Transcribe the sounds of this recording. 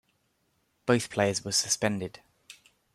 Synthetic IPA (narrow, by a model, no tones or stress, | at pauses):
b̥əʊθpʰl̥eɪəzwəsəspɛ̃ndɪd̥